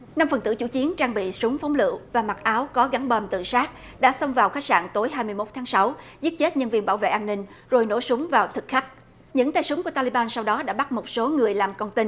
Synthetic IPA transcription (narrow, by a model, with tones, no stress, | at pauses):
na˧mfə˨˩nt̪ɨ̰˧˩t͡ɕṵ˧˩t͡ɕi˨˦ənt͡ɕaː˧ŋɓḭ˧˨sʊ˨˦ŋ͡mfɔ˨˦wŋ͡mlɨ̰˧˨wvaː˨˩ma˨˩t̚ʔaː˨˦wkɔ˨˦ɣa˨˦ŋɓəː˨˩mt̪ɨ̰˧˨saː˦˥t̚ | ɗa̰ː˧˥sə˧wŋ͡mvaː˨˩wxaː˦˥jk̚sa̰ː˧˨ŋt̪o˨˦jɦaː˧jmɨ˧əjmo˦˥t̚t̪ʰaː˨˦ŋsa˨˦w | zi˦˥ət̚t͡ɕe˦˥t̚ɲə˧nvi˧ənɓaː˧˩wvḛ˧˨ʔaː˧nːï˧ŋ̟ | zo˨˩jno̰˧˥sʊ˨˦ŋ͡mvaː˨˩wt̪ʰɨ˨˩k̚xa˦˥k̟̚ | ɲɨ̰˧˥ŋt̪aː˧jsʊ˨˦ŋ͡mku˧˩ət̪aː˧li˧ɓaː˧nsa˧wɗɔ˨˦ɗa̰ː˧˥ɓa˦˥t̚mo˨˩t̚so˨˦ŋɨ˨˩əjlaː˨˩mkɔ˧nt̪ï˧n